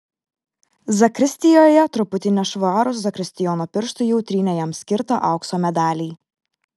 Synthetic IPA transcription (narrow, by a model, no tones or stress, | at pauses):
zɐkɾʲɪsʲt̪ʲɪjoːjɛt̪ɾʊpʊt̪ʲɪnʲɛʃʋoɑːɾʊs̬zɐkɾʲɪsʲt̪ʲɪjɔːnopʲɪɾʃt̪ʊjɛʊt̪ʲɾʲiːnʲɛjɛmsʲkʲɪɾt̪ɐ̰ʔɐʊksoːmʲɛd̪ɑːlʲiː